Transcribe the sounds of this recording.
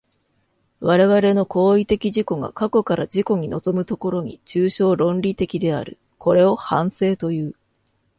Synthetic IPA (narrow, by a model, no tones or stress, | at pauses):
βaɾe̞βaɾe̞no̞ko̞ːit̪e̞kʲiʑiko̞ɡa̰kako̞kaɾad͡ʑiko̞ɲ̟ino̞zo̞mɯ̟t̪o̞ko̞ɾo̞ɲ̟ḭt͡ɕɨːɕo̞ːɾõ̞nɾʲit̪e̞kʲid̪e̞a̰ɾɯ̟̰ | kʰo̞ɾe̞o̞hãɰ̃se̞ːt̪o̞jɯ̟ː